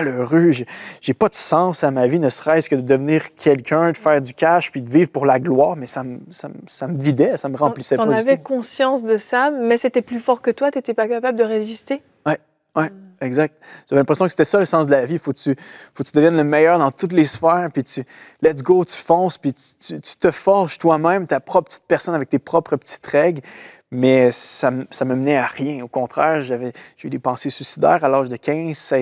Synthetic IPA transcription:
aləʁøʒeʒepad̪əsɑ̃samavinəsəʁɛskəd̪əd̪əvniːʁkʲʰɛlkʲʰœ̃d̪əfɛːʁd̪ykʲaʃpid̪əvivʁpuʁlaɡlwaːʁmɛsaməsamsaməvid̪ɛsaməʁɑ̃plisɛpɔ̃navɛkɔ̃sjɑ̃sd̪əsamɛset̪ɛplyfɔʁkət̪wat̪yet̪ɛpakapabləd̪əʁezist̪e | wɛ | wɛɛɡzak̚t̪̚ʒ̥avɛlɛ̃pʁesjɔ̃kəse̥t̪ɛsʌləsɑ̃sd̪əlavifokt̪yfokt̪yd̪əvjɛnləmɛjœːʁd̪ɑ̃t̪ut̪lesfɛːʁpit̪ylɛt̪ɡot̪y̥fɔ̃spit̪y̥t̪yt̪y̥t̪əfɔʁʃt̪wamɛ̃mt̪apχɔpə̥t̪i̥t̪̚pɛʁsɔnavɛk̚t̪epχɔpχəpə̥t̪ʰi̥t̪ʁɛɡl | mɛssamsamamnɛaʁjɛ̃okɔ̃t̪χɛːʁʒavɛʒ̥eyd̪epɑ̃sesysid̪ɛ̰ːʁalaːʒd̪əkʲɛ̃zsa

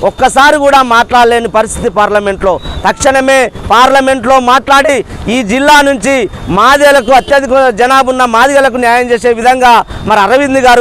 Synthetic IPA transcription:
ɔkːɐsaːɾikuːɽaːmaːʈlaːɽleːnipɐɾist̪ʰit̪ipaːɾlɐme̞ɳʈlo̞ːt̪ɐkʂɐɳɐme̞ːpaːɾlɐme̞ɳʈlo̞ːmaːʈlaːɽiiːd͡ʒilːaːnuɲt͡ʃimaːd̪ɛlɐkuɐt̪jɐd̪ikud͡ʒɐnaːbunːɐmaːd̪iɐlɐk̬unjaːjɐmt͡ʃe̞ːse̞ːʋid̪ʱɐŋɡaːmɐɾiɐɾɐʋid̪d̪iɡaːɾu

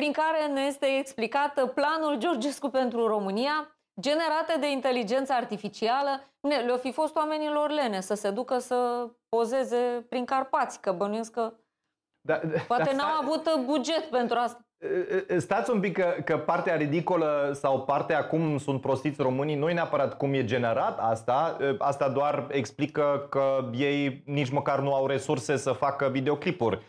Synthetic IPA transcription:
pɾiŋkaɾe̞neje̞st̪e̞ːksplikat̪planuld͡ʒo̞rd͡ʒe̞skupe̞nt̪ɾuro̞mɨnija | d͡ʒe̞ne̞ɾat̪ed̪e̞int̪e̞lid͡ʒe̞nt̪səart̪ifit͡ʃialə | nelofifo̞st̪owame̞nilo̞rle̞ne̞səse̞d̪ukəsəpo̞ze̞ze̞pɾiŋkarpat̪sʲkəbənujeskə | d̪apoat̪enamavut̪bud͡ʒe̞t̪pe̞nt̪ɾuast̪a | st̪at̪sʲumpikːəkəpart̪eaɾid̪iko̞ləsawpart̪eakumsunt̪̚pɾo̞st̪it̪sʲro̞mɨninuje̞neapəɾat̪kumje̞d͡ʒe̞ne̞ɾat̪ast̪aəast̪ad̪oare̞ksplikəkəje̞jnit͡ʃməkarnuawɾe̞surse̞səfakəvid̪eo̞klipurʲ

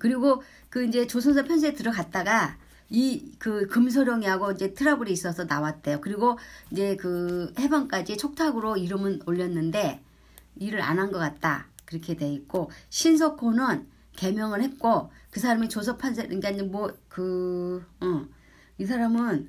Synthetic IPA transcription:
kɯɾiɡo | kɯind͡ʑe̞t͡ɕosʰʌnsʰʌpʰjʌns̬ʰeetɯɾʌkat̚t͈aɡa | ikɯkɯms̬ʰoɾjʌŋiɦaɡoind͡ʑe̞tʰɯɾabɯɾiis͈ʌsʰʌnawat̚t͈e̞jokɯɾiɡoind͡ʑe̞kɯhe̞baŋk͈ad͡ʑit͡ɕʰok̚tʰaɡɯɾoiɾɯmɯnoʎːʌnːɯnde̞ | iɾɯɾa̰nɦanɡʌk͈at̚t͈a̰kɯɾʌkʰe̞dwe̞it̚k͈oɕʰins̬ʰʌkʰonɯn | ke̞mjʌŋɯɭhe̞t̚k͈okɯs̬ʰaɾamit͡ɕos̬ʰʌpʰjʌns̬ʰeiɡend͡ʑemwʌkɯ | ɯ | is̬ʰaɾamɯn

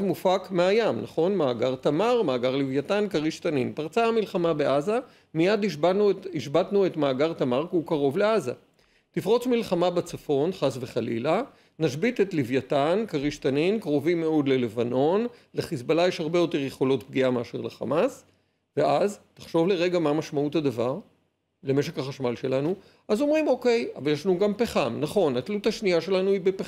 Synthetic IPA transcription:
zmufakmeajamnaχo̞nmaːɡaʁt̪amaʁmaːɡaʁlivjatankaʁiʃt̪aninpaʁt͡saamilχamabe̞ʔaza | mijad̪buiʃbat̪nue̞tmaːɡaʁt̪amaʁkukaʁo̞vleaza̰ | tifʁo̞t͡smilχamabat͡safo̞nχasve̞χalḭla | naʃbit̪et̪livjatankaʁiʃt̪aninkʁo̞vimːeo̞d̪le̞le̞vano̞nleχisbalajeʃhaʁbe̞jo̞te̞ʁjeχo̞lo̞tp̚ɡiameaʃeʁleχa̰mas | ve̞ʔaztḁχʃo̞vle̞ʁe̞ɡamamaʃmauthadavaʁ | leme̞ʃ̬e̞khaχaʃmalʃe̞lanu | ʔazo̞mʁimo̞ke̞ja̰valjeʃlanuɡampeχamnaχo̞nat̪luthaʃniaʃe̞lanuibepe

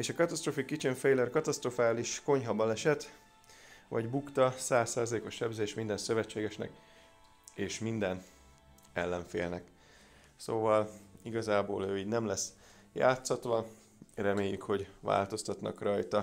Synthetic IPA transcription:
eːʃɒkɒt̪ɒst̪roːfikit͡ʃiɱfɛjlɛrkɒt̪ɒst̪rofaːliʃko̞ɲɦɒbɒlɛʃɛt̪ | vɒ̰ɟbukt̪ɒsaːsːaːzɒleːko̞ʃːɛbzeːʃmind̪ɛnsø̞vɛt͡ʃːeːɡɛʃnɛ̰k | eːʃmind̪ɛn | ɛlːɛɱfeːlnɛk | soːvɒliɡɒzaːboːløːiːɟnɛmlɛs | ja̰ːt̪sɒt̪ʋɒ | rɛmeːjːykho̞ɟva̰ːlt̪o̞st̪ɒt̪nɒ̰krɒjt̪ɒ

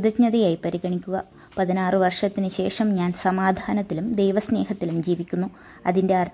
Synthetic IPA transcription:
ðɐɲɐðɐjaːjipɐɾiɣɐɳikʲːuɣɐ | pɐðinaːrɨʋɐrʂɐt̪ːinɨɕe̞ːʂɐmɲaːnsɐmaːd̪ʱaːnɐt̪ːilumd̪ejʋɐsne̞ːɦɐt̪ːilumd͡ʑiːʋikʲːunːu | ɐ̰ðinde̞ɐrt̪

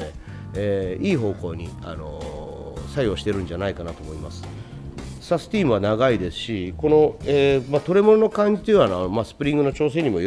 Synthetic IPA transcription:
e | eiːɦo̞ːko̞ːɲ̟ia̰no̞̰ | sajo̞ːɕi̥t̪e̞ɾɯ̟̃ɲd͡ʑanaikanat̪o̞mo̞imasɨ̥ | sasɨ̥t̪ʲiːmɯanaɡaid̪e̞sɨ̥ɕiko̞no̞eːmat̪o̞ɾe̞mo̞nono̞kãɲ̟d͡ʑit̪ojɯβanomasɨ̥pɯ̟ɾʲĩŋɡɯ̟no̞t͡ɕo̞ːse̞ɲ̟imo̞

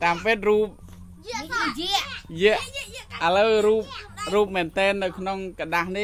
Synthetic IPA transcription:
t̪aːmpeːt̪̚ruːp̚ | jiəʔjiəʔʔələwruːp̚ruːp̚mɛːnt̪ɛːnːɨwkʰnoŋkaɗahni

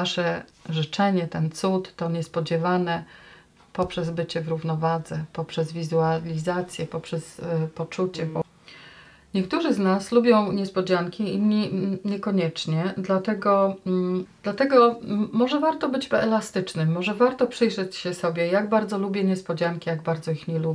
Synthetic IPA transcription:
aʂɛʐɘt͡ʂɛɲɛt̪ɛnt̪sut̪ːɔɲɛspɔd͡ʑɛvanɛ | pɔpʂɛzbɘt͡ɕɛvɾuvnɔvad̪zɛpɔpʂɛzvʲizualʲizat̪sʲjɛpɔpʂɛspɔt͡ʂut͡ɕɛ | ɲɛkt̪uʐɘznaslubʲjɔ̃w̃ɲɛspɔd͡ʑaŋkʲiiniɲɛkɔɲɛt͡ʂɲɛd̪lat̪ɛɡɔ | d̪lat̪ɛɡɔmɔʐɛvaɾt̪ɔbɘd͡ʑbɛlast̪ɘt͡ʂnɘmːɔʐɛvaɾt̪ɔpʂɘjʐɛt͡ɕɕɛsɔbʲjɛjaɡbaɾd̪zɔlubʲjɛɲɛspɔd͡ʑaŋkʲijaɡbaɾd̪zɔixɲɛlubʲ

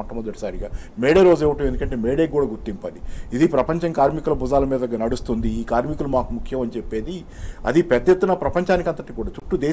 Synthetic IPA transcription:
ɐʈːɐmɐd̪ɐʈi̥saːɾiɡaːmeːɽeːɾoːd͡ʒeːʋɐʈɐmend̪ukɐɳʈeːmeːɽeːuːɽaːɡuɾt̪ːimpaːliid̪ipɾɐpɐɲt͡ʃɐŋkaːɾmikulɐbud͡ʒaːlɐmiːd̪ɐɐɡːɐnɐɽust̪und̪iːkaːɾmikulumaːkumukʰjɐmɐnit͡ʃepːe̞ːd̪i | ɐ̰d̪ipɛd̪jet̪ːunɐpɾɐpɐɲt͡ʃaːnikɐnt̪ɐʈikuːɽaːt͡ʃuʈːud̪eː

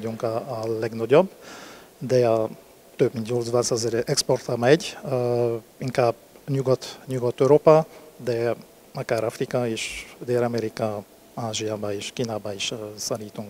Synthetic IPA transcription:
ɟuŋkɒːlɛɡnɒɟobːd̪ɛɒ | t̪øbmint̪ɲoːlzbaːsɑzɛɾɛksport̪ɑmɛɟ | iŋkaːb | ɲuɡɔt̪ɲuɡɔt̪øɾoːpɑd̪ɛ | ɒkaːɾɒfrikɒeːʃd̪eːlɒmɛɾikɒ | aːʒijaːbɒeːʃkiːnaːbɒiʃsɑliːt̪uŋk

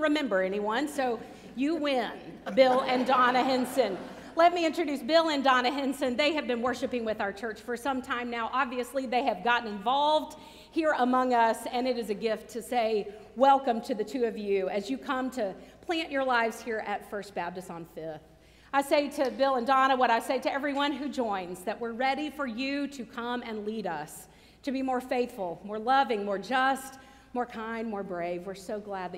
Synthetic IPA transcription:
nʔɹɨmɛ̃mbə˞ɛniwʌ̃nsoʊ | jɨwɪ̃nbɪlˠɨ̃ndɑnɨɦɪ̃nsɨ̃n | lɛt̚miɪ̃nt͡ʃɹ̥ɨdʉsb̥ɪlˠɨ̃ndɑnɨɦɪ̃nsɨ̃nðeɪɨvbɨ̃nwɜ˞ʃɨpɪ̃ŋwɨðaʊə˞t͡ʃʰɜ˞t͡ʃfə˞sʌ̃mtʰãɪ̃mnaʊʔɑbviɨsliðeɪɨvɡɑʔn̩ɨ̃ɱvɑlˠvd̥̚ | hiɹəmʌ̃ŋʌsɨ̃nɨɾɨzɨɡɪftʰɨseɪ | wɛlˠkɨ̃mtʰɨðɨtʰʉʌvjʉɨzjɨkʰʌ̃mtʰɨpʰl̥æ̃nt͡ʃə˞laɪvz̥hiɹʔɨtfɜ˞st̚b̥æb̚tɨsn̩fɪθ | aɪseɪɾɨbɪlˠə̃ndɑñəwʌɾaɪseɪɾɨɛvɹiwʌ̃nɦʉd͡ʒɔ̃ɪ̃nzðɨʔ̚wɪɹɹɛɾifə˞jʉɾɨkʰʌ̃mɨ̃nliɾʌs | tʰɨbimɔɹfeɪθfl̩ˠmɔɹlʌvɪ̃ŋmɔɹd͡ʒʌst | mɔɹkʰãɪ̃ndmɔɹbɹeɪvwɨɹsoʊɡlæd̚ˡ

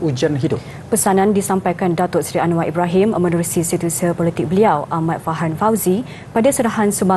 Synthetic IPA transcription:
ud͡ʒanɦidʊp | pəsanãndisampajkandat̪ɔʔsɾianũwaʔibɾaɦiməmənuɾusisit̪usəpɔlit̪ɪk̚bəliawʔamãt̪̚faɦanfawzi | padasəɾaɦansumba

